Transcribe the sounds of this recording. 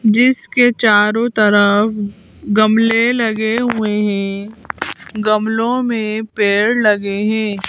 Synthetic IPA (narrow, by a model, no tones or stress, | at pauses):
d͡ʒɪsket͡ʃaːɾõt̪ɐɾəf | ɡɐmlelɐɡeɦueɦɛ̃ | ɡɐmlõmẽpeːɽlɐɡeɦɛ̃ː